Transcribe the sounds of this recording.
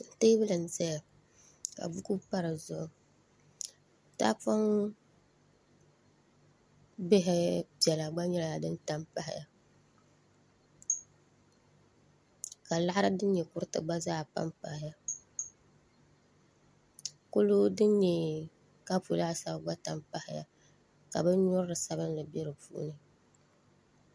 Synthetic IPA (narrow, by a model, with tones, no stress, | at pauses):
te˦bɨ˦lɨ˨n̩˨zɛ˦ja˨ | ka̰˨bu˦ku˦pa˦ɾɨ˨zʊ˦˨ | ta̰˦pa˦ŋ | bɪ˦ɦɪ˦bɛ˨la˨ɡ͡ba˦ɲɛ˦la˨a˨dɨ˦nta˦mpa˦hɪ̰˦ja˨ | ka˨la˦ha˦ɾɨ˦dɨ˦n˦ɲɛ˨kʊ˦ɾtɨ̰˨ɡ͡ba˦zaː˦˨pa̰˦mpa˨hɪ˨˦ja˨ | ko˦lo˦dɨ˦nɲɛ˨ | ka˦pu˨la˦˨sa˦bɡ͡ba˦ta˨mpa˦hɪ˨ja̰˨ | ka̰˨bɛ˦ɲɔ˦ɾɨ˦ɾɨ˨sa˦bɨ˦n˦lɨ˨bɛ˦ɾɨ˨pṵ˦ʔnɨ˨